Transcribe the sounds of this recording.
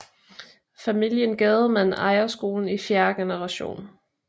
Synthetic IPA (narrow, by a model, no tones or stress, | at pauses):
fæmil̰jənɡ̥ɛːð̩ˠmænɑ̈ɪɐsɡ̥o̝̰ːln̩ifjæɐɡ̥enəʁɑ̈ɕo̝̰ːn